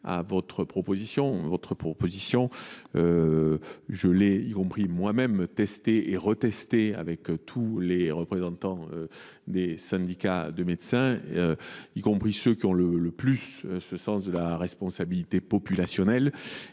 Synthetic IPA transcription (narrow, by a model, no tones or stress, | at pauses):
a̰vɔt̪χəpχɔpozisjɔ̃vɔt̪χəpχɔpozisjɔ̃ø | ʒəlɛikɔ̃pχimwamɛmt̪ɛst̪eeʁət̪ɛst̪ea̰vɛkt̪ʰuleʁəpχezɑ̃t̪ɑ̃ø | d̪esɛ̃d̪ikad̪əmed̪sɛ̃øikɔ̃pχisøkʲiɔ̃lələplysøsəsɑ̃sd̪əlaʁɛspɔ̃sabilit̪epɔpylasjɔnɛl